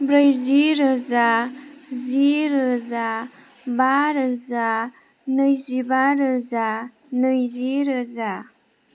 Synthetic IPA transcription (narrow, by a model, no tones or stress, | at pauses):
bɾəjziɾəza | ziɾɯza | baɾɯza | nɯjzibaɾɯza | nɯjziɾəza